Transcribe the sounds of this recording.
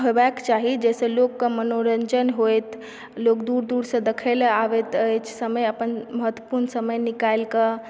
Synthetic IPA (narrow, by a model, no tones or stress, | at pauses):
ɦobakt͡ʃaɦid͡ʒɛsẽlokːəmənoɾənd͡ʒənɦojt̪ | lokd̪uɾd̪uɾsə̃d̪ekʰəleaʋɛt̪ət͡ʃʰsəməjəpənməɦət̪wəpuɾnsəməjnikajlkə